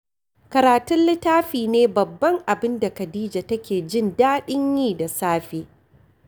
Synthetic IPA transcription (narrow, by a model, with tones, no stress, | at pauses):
kɐ˨ɾaː˨tʊ˦nlɪ˦taː˦ɸiː˨neː˦bɐ˨bːɐ˦ŋʔa˨bɪ˦nda˨kɐ˨diː˦d͡ʒa˨tɐ˦kʲeː˨d͡ʒɪ˦ndaː˦ɗɪ˦ɲjiː˦˨da˨saː˦ɸeː˨